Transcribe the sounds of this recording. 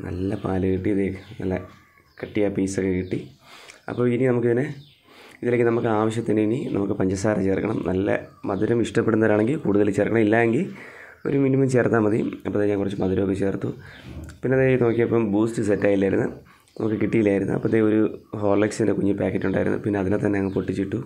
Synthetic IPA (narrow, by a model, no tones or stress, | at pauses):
nɐ̰lːɐpa̰ːlɐkiʈːiɐðenɐ̰lːɐ | kɐʈːijapiːsokːekiʈːiɐ̰pːoːininɐmuk̬ːiðinɨ | iðile̞ːkːɨnɐmukːɨaːʋɐɕ̬jɐt̪ːinininɐ̰mukːɨpɐɲd͡ʑɐsaːɾɐt͡ɕe̞ːrkːɐɳɐmnʔɐlːɐ̰mɐðuɾɐmiʂʈɐpːeɽunːɐðɐɾaːɳe̞ŋɡilkuːɽuðɐlt͡ɕe̞ːrkːɐɳɐmilːaːe̞ŋɡil | o̞̰ɾuminimɐmt͡ɕe̞ːrt̪ːaːmːɐðiɐpːɐðeːɲaːŋkurɐt͡ɕːɨmɐðuɾɐmokːet͡ɕe̞ːrt̪ːupinːeɐðeno̞ːkːijɐpːɐmbuːstɨsetːaːjilːaːjɾunːɨ | nɐmukːɨkiʈːijilaːjiɾunːṵɐ̰pːɐt̪ːeoɾuɦo̞ːlːeksindekuɲːɨpaːkːetːuɳɖaːjiɾunːṵpinːeɐðinet̪ɐnːeɐŋːɐpoʈːit͡ɕːiʈːu